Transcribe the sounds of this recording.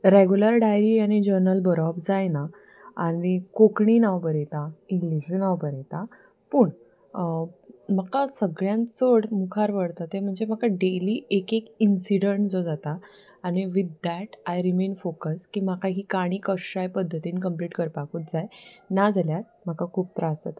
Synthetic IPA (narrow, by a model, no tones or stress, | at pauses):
ɾeɡjuləɾɖajɾiañid͡ʑəɾnəlbəɾɔbd͡zajna | anikokɳinawbəɾet̪ainlud͡ʑunawbəɾet̪a | puːɳ | makasəɡɭjãnt͡səɽmukʰaɾʋəɽt̪at̪em̤əɳd͡zem̤akaɖeliːʔekekinsiɽəɳʈd͡zod͡zat̪aː | ñiʋid̪ːæʈajɾimenfokəskiːmakaɦiːkaɽ̃iːkəʂajpəd̪ʱːət̪iːnkəmpliːʈkəɾpakuːt̪̚d͡zajnad͡zaljat̪̚m̤akakʰuːp̚t̪ɾasa̰t̪